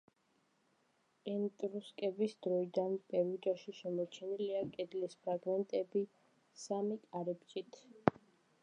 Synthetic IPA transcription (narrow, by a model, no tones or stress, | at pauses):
ɛnt̪ʼɾuskʼɛbisd̪ɾɔid̪anpʼɛɾud͡ʒaʃiʃɛmɔt͡ʃʰɛniliakʼɛd̪lispʰɾaɡmɛnt̪ʼɛbi | samikʼaɾɛbt͡ʃʼit̪ʰ